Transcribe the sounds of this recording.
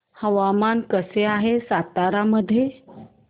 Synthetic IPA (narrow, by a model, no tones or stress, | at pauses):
həʋamankəseaɦesat̪aɾaməd̪ʱːje